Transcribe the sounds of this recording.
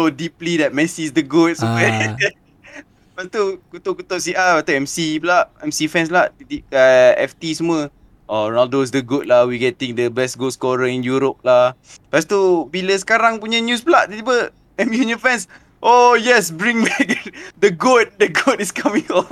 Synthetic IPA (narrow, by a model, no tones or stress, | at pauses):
odiplidɛt̚mɛsisdəɡot̚sɛ | b̥ast̪ukut̪ɔʔkut̪ɔʔsiʔaat̪oɛmsiblaʔɛmsifɛ̃ns̬laʔt̪idiʔəɛ̰ft̪isəmuə | ʔɔnɔldos̬dəɡut̚lahwiɡɛt̪ĩŋdəbɛsɡoskɔɾəĩnjuɾop̚lah | b̥ast̪ubiləs̬ə̥kaɾaŋpuɲənjus̬blaʔt̪idipə | ɛ̃mjunə̃nfɛ̃ns | ʔojɛsbɹĩŋbɛk̚dəɡut̚dəɡotiskʰamĩŋɔn